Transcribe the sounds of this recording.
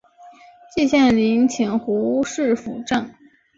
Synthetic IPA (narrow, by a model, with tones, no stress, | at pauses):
t͡ɕi˥˧ɕjɛ˥˩nli˧˥ŋt͡ɕʰi˨˩nxu˧˥u˥ʂɻ̩˥˩fu˨˩ʈ͡ʂə˥˩n